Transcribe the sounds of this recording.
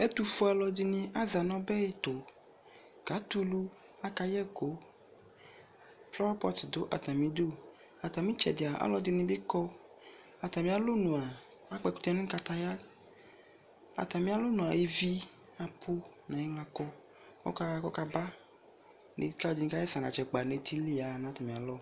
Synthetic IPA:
ɛ˦t̪u˨fu˦a˨lɔ˨di˦nĩ˦ʔa˦za˨nɔ̃˦bɛ˦je˦t̪o˨ | ɡ̥a˨˦t̪u˦lu˦ | a˦ka˦jɛ˦ɡo˨˦ | flɔ˦pɔ˦td̪o˨˦ʔa̰˨t̪a˨mĩ˦d̪o˦˨ | a˨t̪a˨mĩ˦t͡ʃɛ̰˨de˨a˨ʔa̰˦lɔ˦d̪i˦nĩ˦be˦kɔ˦ | a˨t̪a˨mĩ˦a˦lo˦nũ˨a˨ | a˦k͡pɛ˦ku̥˦t̪a˦nũ˦ka˦t̪a˦ja˦ | a̰˨t̪a˨mĩ˦a˦lo˦nũ˨a˨je˦vi˦ | a˨pʰo˦ | nã˨ji˦ŋla˦kɔ˦ | kɔ̰˦ka˦kɔ˦ka˦ba˦ | nḛ˨˦ka˦˨d͡ʒi˨ŋ˦ka˦jɛ˦sa˨nã̰˨t͡ʃɛ˨k͡pa˨ne˨t̪ʰi˦li˦a˨nã˨˦t̪a˨mĩ˨a˨lɔ˦

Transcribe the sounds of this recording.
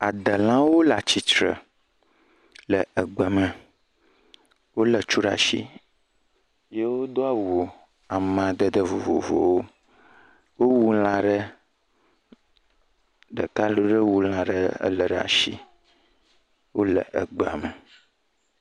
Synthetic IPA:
a˨d̪ə˨lã˦wo˦la˨t͡ɕi˨t͡ʃɾə̰˨ | lə˨ə˨ɡ͡bə˨mə̃˨ | wo˦lə˨t͡ʃu˦ɖa̰˨ʃḭ˦ | je˦wo˦d̪o˦a˨wo˨ | a˨mã˨d̪ə˦d̪ə˦vo˨vo̰˨vo̰˨wo˦ | wo˦wu˦l̃ã˨ɖə˦ | ɖə˨ka˦lo˨˦ɖə˦wu˦l̃ã˨ɖə̰˦lə˨ɖa̰˨ʃḭ˦ | wo˦lə̰˨ʔə˨ɡ͡bɛ˨a̰˨mə˨

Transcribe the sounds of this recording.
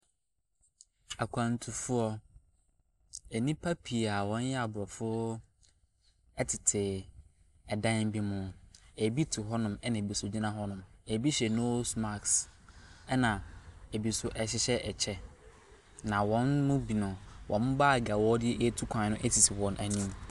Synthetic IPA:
a˨kʷʰã˨n˨tʰu˨fʊ˦ɔ˦ | ɛ˨nĩ˦pʰa˦pʰi˨a˨wɔ̃˨˦n˦jɛ˦a˨bʊ˨ɾɔ˨fʊ˦ | ɛ˦tʰɪ˨tʰɪ˨ | ɛ˨dã˦n˦bi˦mʊ̃˦e˨bi˦tʰʊ˨ɦɔ˦nʊ̃˨mɛ˦nã˨bi˨sʊ˨d͡ʑi˦nã˦ɦɔ˦nʊ̃˨me˨bi˦ɕɛ˨no˦sma˦˨ks | ɛ˦nã˨e˨bi˨sʊ˨ʔɛ˨ɕɪ˦ɕɛ˦ʔɛ˨t͡ɕʰɛ˦ | nã˨wɔ̃˨˦nːʊ̃˦bi˨nʊ̃˨wʔɔ̃˨˦m˦baː˦˨ɡa˨wɔ˦dɪ˦ɛ˦ʔe˦tʰu˦kʷʰã˨˦nʊ̃˦ʔɛ˦tʰi˨tʰi˨wɔ̃˨nʔæ˨nĩ˦m

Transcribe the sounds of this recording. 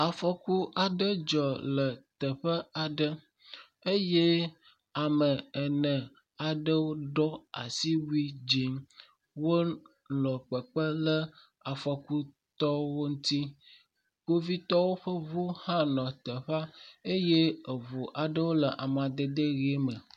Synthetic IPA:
a˨fɔ˨ku˦ʔa˨ɖə˦d͡ʒɔ˨lə˨t̪ə˨ɸə˦a˨ɖə˦ | e˦je˦ | a˨mə˨ə˨nə̃˨ | a˨ɖə˦wo˦ɖɔ˦a̰˨si˦wu˦i˦d͡ʒi˦ŋ | wo˦ | lɔ̃˨k͡pə˨k͡pə˦lə˦ | a˨fɔ˦ku˦ | t̪ɔ˦wo˦ŋũ˦t̪i˦ | ko˦vi˦t̪ɔ˦wo˦ɸə˦vo˦hã˦nɔ̃˨t̪ə˨ɸa˦e˦je˦ə˨vo˨ʔa˨ɖə˦wo˦lə˨ʔa˨m˨a˨d̪ə˨d̪e˦ɣi˦mə˨

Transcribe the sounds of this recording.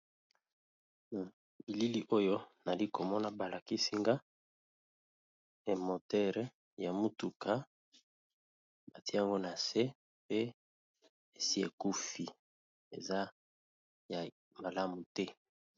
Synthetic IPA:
na˨ | bi˨li˦li˦ʔo˦jo˦na˨li˦ko˨mɔ˦na˨ba˨la˨ki˦si˦ŋɡa˦ | e˨mo˨tɛ˦ʁɛ˦ | ja˨mu˦tu˨kʰa˦ | ba˨ti˦a˨ŋɡo˦na˨se˦ | pe˦ | e˨si˦e˨ku˦fi˨ | ḛ˨za˦ | ja˨ | ma˨la˦mu˨tɛ˦

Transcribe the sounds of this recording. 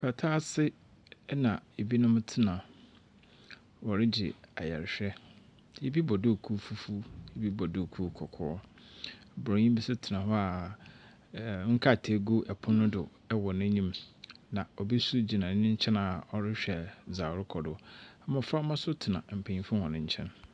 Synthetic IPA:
pʰa˨tʰaː˦sɪ˦ | nã˨e˨bi˦nʊ̃˦m˦tʰɪ˦nã˨ | wɔ˨ɾɪ˦d͡ʑɪ̰˨a̰˨jɛ̰˨ɾɪ˨ɕᶣɛ˦ | je˦bi˦bɔ˨dʊ˦˨kʰu˦fu˦fu˦je˦bi˦bɔ˨dʊ˦˨kʰu˦˨kʰɔ˨kʰɔ˦ɔ˦˨ | bɾɔ̃˨ɲĩ˦bi˦sʊ˦tʰɪ˨nã˨hɔ˦a˨ | ŋ̩˦kʰa˦˨tʰe˦ɡo˦ʔɛ˨pʰʊ̃˦nʊ̃˦dʊ˨ | ɛ˦wɔ˨nɪ̃˦ɲĩ˦mnã˨ɔ˨bi˦su˦d͡ʑi˨nã˨˦nɪ̃˦ɲ̩˦t͡ɕʰɛ̃˦na˨ɔ˨ɾɪ˦ɕᶣɛ˨zaː˨ɾʊ˦kʰɔ˨dʊ˦a˨˦mã˨fɾa˦mã˦sʊ˦tʰɪ˨nã̰˨m̩˨pʰã˨ɲĩ˦fʊ̃˦hɔ̃˨nɪ̃˦ɲ̩˦t͡ɕʰɛ̃˦n

